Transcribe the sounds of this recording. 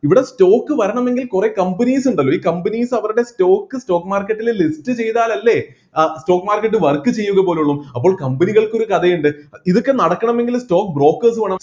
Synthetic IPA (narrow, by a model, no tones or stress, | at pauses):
iʋiɽe̞sto̞ːkːɨʋɐɾɐɳɐme̞ŋɡilkure̞kɐmbɐniːsuɳɖɐlːoiːkɐmbɐniːsɐʋɐɾuɽe̞sto̞ːkːɨsto̞ːkːmaːrkːɐʈːillistɨt͡ɕe̞jt̪aːlɐlːe̞ | sto̞ːkːmaːrkːɐʈːɨʋɐrkːɨt͡ɕe̞jːuɣɐpo̞ːluɭːumɐpːo̞ːɭkɐmbɐniɣɐɭko̞ɾukɐðɐjuɳɖɨiðokːenɐɽɐkːɐɳɐme̞ŋɡilsto̞ːkːbro̞ːkːɐrs̬ɨʋɐɳɐm